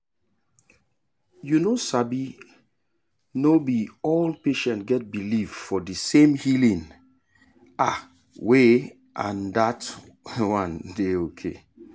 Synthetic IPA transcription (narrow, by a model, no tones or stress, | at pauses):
junosabi | nobiɔlpeʃɛ̃ntɡɛt̚bilifdfɔdisẽmhilĩn | a | we | ʔã̰ndat | wãndeokʰḛ